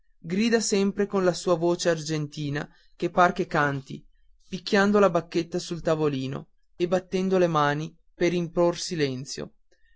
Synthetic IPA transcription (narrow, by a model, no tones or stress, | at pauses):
ɡɾiːd̪asɛmpɾekonlasuːavoːt͡ʃeard͡ʒent̪iːna | kepːarkekant̪ḭ | pikʲːjand̪olabakːet̪ːasult̪avoliːno̰ | ebat̪ːɛnd̪olemaːni | peɾimpɾorsilɛnt̪sjo̰